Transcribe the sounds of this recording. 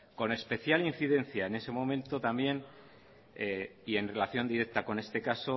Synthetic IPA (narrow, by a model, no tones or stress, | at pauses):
ko̞ne̞spe̞θjalinθiðẽ̞nθjae̞ne̞se̞mo̞mẽnt̪o̞t̪ambje̞n | eie̞nre̞laθjo̞nd̪iɾe̞k̚t̪ako̞ne̞st̪e̞kaso̞